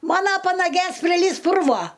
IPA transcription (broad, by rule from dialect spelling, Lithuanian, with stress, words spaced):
ˈmɑːnoː pɐnɐˈɡʲeːs pʲrʲɪˈlʲiːs ˈpʊrʋoː